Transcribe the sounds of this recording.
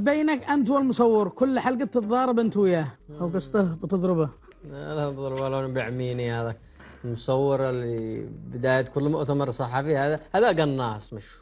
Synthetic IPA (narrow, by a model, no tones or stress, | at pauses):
beːnakʔant̪wɪlmʊsɑwːɑɾkʊlːħalɡɪd̪t̪ɪt̪ˤðˤɑːɾˤɪbʔɪnt̪wɪjaːʔawɡɑsˤt̪ˤɑhbt̪ɑðˤɾɪba | alabd̪ˤɾˤbalanbaʕmiːnihaːd̪ak | lmʊsˤɑwːɑɾˤlibɪd̪aːjat̪kʊlːmʊʔt̪amɑɾˤsˤɑħːɑfihaːðahaːðaɡɑnːɑːsˤmɪʃ